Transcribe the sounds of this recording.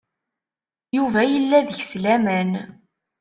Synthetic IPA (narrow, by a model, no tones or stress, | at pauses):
juvæjəlːæðəçslæmæn